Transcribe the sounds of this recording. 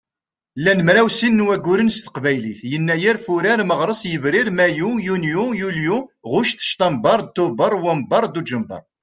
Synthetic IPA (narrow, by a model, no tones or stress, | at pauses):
lːænmɾæwsinːwæɡːuɾənst̪ə̥qbæjliθjənːæjiɾfuɾaɾməʁɾˤəsˤjəvɾɪɾmæjujunjujuljuʁʊʃt̪ːə̥ʃt̪ɑmbɑɾˤd̪̚t̪ːʊbəɾˤwæmbɑɾˤd̪ud͡ʒəmbə̰ɾˤ